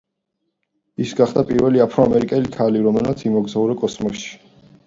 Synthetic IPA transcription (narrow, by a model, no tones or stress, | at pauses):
isɡaχd̪apʼiɾvɛliapʰɾɔamɛɾikʼɛlikʰaliɾɔmɛlmat̪sʰimɔɡzauɾɛkʼɔsmɔʃi̥